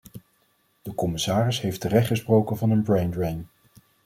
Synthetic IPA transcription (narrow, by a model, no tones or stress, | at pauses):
d̥əkɔmɪsaːrɪsɦejftərɛχtχəsprowkənvɑnənbɹejndɹejn